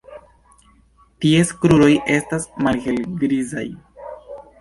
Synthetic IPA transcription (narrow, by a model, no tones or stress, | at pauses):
tie̞skɾuɾo̞je̞stasmalhe̞lɡɾiza̰j